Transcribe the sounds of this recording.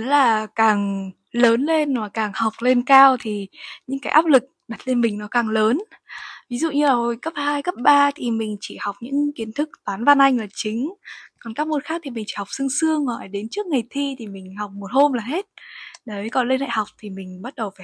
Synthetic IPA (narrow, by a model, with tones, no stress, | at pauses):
laː˨˩kaː˨˩ŋ | ləː˨˦nle˧nmaː˨˩kaː˨˩ŋha˨˩wk͡p̚le˧nkaː˧wt̪ʰi˨˩ɲɨ̰˧˥ŋkaː˨˦jʔaː˦˥p̚lɨ˨˩k̚ɗa˨˩t̚le˧nmï˨˩ŋ̟nɔ˨˦kaː˨˩ŋləː˨˦nvi˨˦zṵ˧˨ɲɨ˧laː˨˩ho˧˩jkə˦˥p̚haː˧jkə˦˥p̚ɓaː˧t̪ʰi˨˩mï˨˩ŋ̟t͡ɕi˧˩ha˨˩wk͡p̚ɲɨ̰˧˥ŋki˨˦ənt̪ʰɨ˦˥k̚t̪aː˨˦nva˧nʔa˧jŋ̟laː˨˩t͡ɕï˨˦ŋ̟kɔ˨˩nkaː˦˥k̚mo˧˩nxaː˦˥k̚t̪ʰi˨˩mi̟˨˩t͡ɕḭ˧˩ha˨˩wk͡p̚sɨ˧əŋsɨ˧əŋmɔ̰˧˩jɗe˨˦nt͡ɕɨ˦˥ək̚ŋa˨˩jt̪ʰi˧t̪ʰi˨˩mï˨˩ŋ̟ha˨˩wk͡p̚mo˨˩t̚ho˧mlaː˨˩ɦe˦˥t̚ɗə˨˦kɔ˧˨˩nle˧nʔa̰ː˧˨ha˨˩wk͡p̚t̪ʰi˨˩mï˨˩ŋ̟ɓa˦˥t̚ɗə˨˩wfaː˧˩